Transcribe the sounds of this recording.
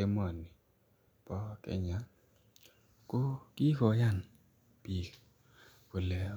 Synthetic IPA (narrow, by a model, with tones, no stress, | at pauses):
e˦m˦ɔ˨ni˨ | pɔ˦kɛ̰˦ɲa˨˦ | ko˦ki˦kɔ˨ja˦˨n | pi˨ | ko˨lɛ˨